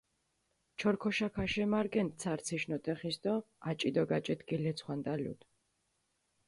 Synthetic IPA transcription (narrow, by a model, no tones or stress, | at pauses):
t͡ʃʰɔɾkʰɔʃakʰaʃɛmaɾɡɛnt̪̚t̪sʰaɾt̪sʰiʃnɔt̪ʼɛχisd̪ɔ | at͡ʃʼid̪ɔɡat͡ʃʼɛt̪ɡɛlɛt̪sʰχwand̪ʼalṵd̪